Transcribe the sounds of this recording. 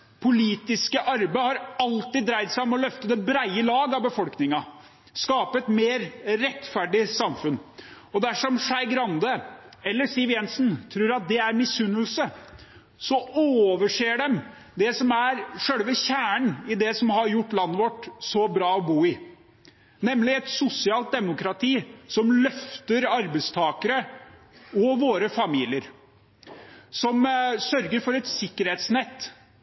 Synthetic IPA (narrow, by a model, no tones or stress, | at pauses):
pʰʊliːt̪ɪskəʔɑɾbæhɑɾɑlt̪ɪd̪ːɾæɪd̪sæɪɔmɔlœft̪ət̪ɛbɾæɪəlɑːɡɑʋbəfɔlknɪŋɑ | skɑːpəɛt̪meːɾɾɛt̪ːfæɖɪsɑmfʉn | ɔd̪æʂɔmʂæɪɡɾɑnd̪əɛlːəʂiːʋjɛnsnt̪ʰɾʉːɾɑt̪̚d̪ɛæɾmɪsʉnːəlsə | sɔoːʋəʂeːɖɛm | d̪ɛsɔmæɾʂøːɽʋəçæːɳɪd̪ɛsɔmhɑɾjʊʈːlɑnːəʋɔʈːsɔbɾɑːɔbuːɪ | nɛmlɪɛt̪sʊsɪɑːlt̪̚d̪ɛmʊkɾɑt̪ʰiːsɔmlœft̪əɾɑɾbəɪst̪ʰɑːkəɾə | ɔʋoːɾəfɑmiːlɪəɾ | sɔmsœɾɡəɾfɔɾɛt̪sɪkːəɾheːt̪snɛt̪ː